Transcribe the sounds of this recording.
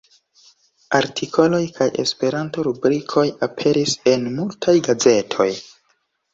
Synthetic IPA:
aɾtʰikʰo̞lo̞jkʰaje̞̰spe̞ɾanto̞ɾubɾikʰo̞japʰe̞ɾise̞nmultʰajɡaze̞tʰo̞j

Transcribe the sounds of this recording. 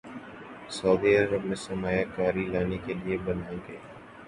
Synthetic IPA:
sɔʊːd̪iɐɾəb̚mẽsɐmaːjakaːɾilaːnekeliebɐnaːeɡɐeː

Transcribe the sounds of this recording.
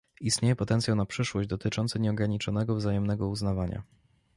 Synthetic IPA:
ist̪ɲejɛpɔt̪ɛnt̪sʲjawnapʂɘʂwɔʑd͡ʑd̪ɔt̪ɘt͡ʂɔnt̪sɘɲɛɔɡɾaɲit͡ʂɔnɛɡɔvzajɛmnɛɡɔuznavaɲa̰

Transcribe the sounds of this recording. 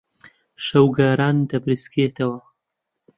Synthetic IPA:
ʃɐwɡaːɾɑːnd̪ɐbɾisket̪ɐwɐ

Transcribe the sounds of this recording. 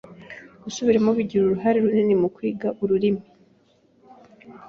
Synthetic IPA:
ɡ̥usuβiɾemoβiɟiɾuɾuɦaɾiɾuninimukwiːɡaʔuɾuɾimi

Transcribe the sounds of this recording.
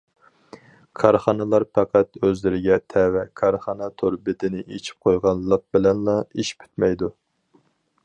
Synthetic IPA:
kʰɑɾχɑnɨlˠɑɾpʰɛqʰæt̪øzlɪɾɪɡʲɛt̪ʰɛwɛkʰɑɾχɑnɑt̪ʰoɾbɪd̪ɪnɪʔet͡ʃʰi̥p̚qʰojʁɑnlˠːəq̚bɪlɛnlɑiʃpʰy̥t̪mɛjd̪u

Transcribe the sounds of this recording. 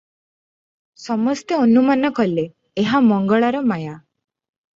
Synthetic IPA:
sɔmɔst̪eonumanɔkɔleː | ɦamɔŋɡɔɭaɾɔmaja

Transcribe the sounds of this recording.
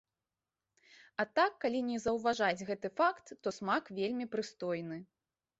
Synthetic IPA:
ɐt̪akːalʲinʲɛzɐwvaʐad͡zʲɣɛt̪ɨfakt̪ːɔsmakvʲelʲmʲipɾɨst̪ɔjnɨ

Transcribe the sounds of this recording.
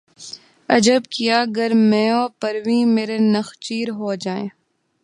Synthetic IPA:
ɐ̰d͡ʒəbkijaɡɐɾmɛ̃ːɔːɾpɐɾʋĩːmeːɾenɐxt͡ʃiːɾɦoːd͡ʒaːẽː

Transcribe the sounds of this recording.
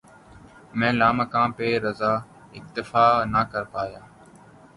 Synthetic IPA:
mɛ̃ːlaːməkãːpeːɾəzaː | ɪk̚t̪ɪfaːnaːkəɾpaːjaː

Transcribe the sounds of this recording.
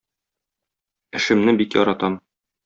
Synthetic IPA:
ɘ̆ʃɘ̆mnɘbikjɒ̰ɾɑt̪ɑm

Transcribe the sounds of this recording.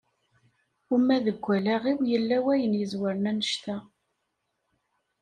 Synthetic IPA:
umæðəɡʷːælæʁiwjəlːæwæjənjəzwəɾənænəʃt̪æ

